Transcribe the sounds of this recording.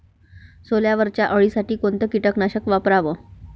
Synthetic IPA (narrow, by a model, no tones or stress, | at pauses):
soljaʋəɾt͡ɕjaʔəɭisaʈiːkont̪əkiʈəknaɕəkʋapɾaʋə